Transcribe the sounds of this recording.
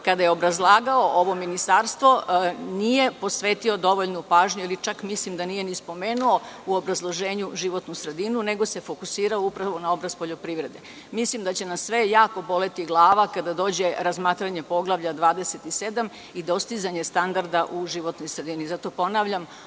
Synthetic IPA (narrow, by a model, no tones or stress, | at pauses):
kad̪ajeo̞bɾazlˠaːɡao̞ʔoʋo̞minist̪aːɾst̪ʋo̞nije̞po̞sʋeːt̪io̞d̪o̞ʋoʎnupaːʒɲuilit͡ʃakmislimd̪anije̞nispo̞me̞ːnuo̞uobɾazlˠoʒe̞ːɲuʒiʋo̞t̪nusɾe̞d̪inune̞ɡose̞fo̞kusiːɾaoupɾaʋo̞nao̞bɾazpo̞ʎo̞pɾiːʋɾe̞d̪e̞ | mislimd̪at͡ɕenasːʋe̞jaːko̞bo̞le̞t̪iɡlˠaːʋakad̪ad̪o̞ːd͡ʑe̞ɾazmaːt̪ɾaɲe̞po̞ɡlˠaʋʎʲad̪ʋaːd̪e̞set̪ise̞d̪am | id̪o̞st̪izaɲe̞st̪and̪aɾd̪aʔuʒiʋo̞t̪nojsɾe̞d̪inizat̪o̞po̞naʋʎam